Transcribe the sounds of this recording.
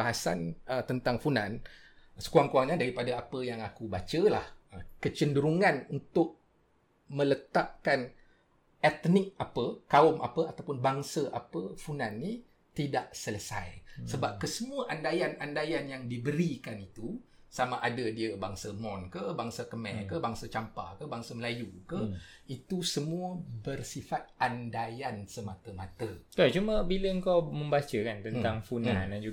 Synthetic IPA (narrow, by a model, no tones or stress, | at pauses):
aɦasa̰nət̪ənt̪aŋfunansə̥kuaŋkuaŋɲadaɾipadaapəjaŋakubat͡ʃəlahəkət͡ʃəndəɾuŋãnunt̪ʊʔ̚ | mə̃lət̪aʔkan | ɛt̪nɪk̚apəkaʊmʔa̰pəat̪awpʊnbaŋsəʔapəfunãnːi | t̪idaʔsələsa̰jsəbap̚kəsəmuəʔandajanandajanjaŋdibəɾikanit̪usamaʔadədiəbaŋsəmɔnkəbaŋsəkəmɛkəbaŋsət͡ʃampa̰kəbaŋsəməlajukəit̪usəmũəbərsifat̪̚andajansəmat̪əmat̪əkat͡ʃuməbiləəŋkawmə̃mbat͡ʃəkant̪ənaŋfunand͡ʒu